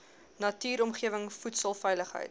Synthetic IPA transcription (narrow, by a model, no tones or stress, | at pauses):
nɐtyːɾɔmχiəvəŋfutsəlˠfɛjləχɦə̰jt